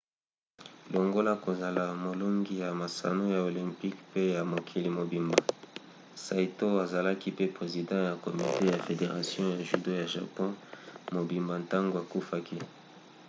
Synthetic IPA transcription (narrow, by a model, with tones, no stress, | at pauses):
lo˨ŋɡo˦la˦ko˨za˨la˨mo˨lo˦ŋɡi˦ja˨ma˨sa̰˨no˦ja˨o˨lɛ̃˨mpi˦kpe˦ja˨mo˨kʰi˨li˨mo˨bi˨mba˨ | sa˨i˨to˦a˨za˨la˦ki˦pe˦pʁe˨zi˨dɑ̃˦ja˨ko˨mi˨te˦ja˨fe˨de˨ʁa˨sjɔ̃˦ja˨ʒi˨do˦ja˨ʒa̰˨pɔ̃˦mo˨bi˨mba˨nta˦ŋɡo˨a˨ku˦fa˦ki˦